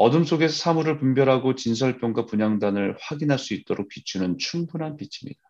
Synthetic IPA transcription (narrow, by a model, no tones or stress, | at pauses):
ʌdɯms͈ʰoɡe̞sʰʌsʰamuɾɯɭpumbjʌɾɦaɡot͡ɕinsʰʌɭp͈jʌŋɡapuɲaŋdanɯɭɸwaɡinɦaɭs͈uit̚t͈ʌɾok̚p͈it͡ɕʰunɯnt͡ɕʰuŋbunɦanpit͡ɕʰi̥mɲḭda